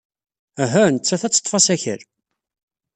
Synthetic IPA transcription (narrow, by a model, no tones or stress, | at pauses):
æɦænət͡sːæθæt͡sːə̥t̪ːˤfɑsæçə̰ɾ